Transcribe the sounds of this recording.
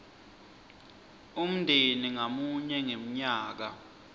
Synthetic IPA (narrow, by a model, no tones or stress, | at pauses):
um̩ndʱeniŋamuɲɛŋem̩ɲaːk̬a̰